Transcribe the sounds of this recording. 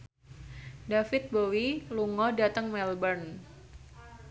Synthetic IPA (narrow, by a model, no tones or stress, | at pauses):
dafɪt̪̚bowiluŋɔdat̪əŋmɛlbən